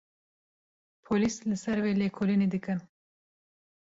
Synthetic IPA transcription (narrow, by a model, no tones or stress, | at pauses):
pʰoliːslɨsɛɾweːleːkʰolineːd̪ɨkɨn